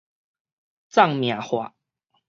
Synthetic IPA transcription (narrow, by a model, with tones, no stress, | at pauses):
t͡sa˥˨ŋmja˨˩hwa˨˩˦